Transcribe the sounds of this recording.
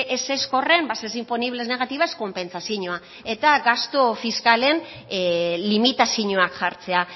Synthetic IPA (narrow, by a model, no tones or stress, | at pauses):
ʔese̞sko̞re̞mbasesimpo̞niβlezne̞ɣ̞at̪iβasko̞mpe̞nt͡sasiɲoa | e̞t̪aɡast̪ofiskale̞n | limit̪asiɲoakʝaɾt͡se̞a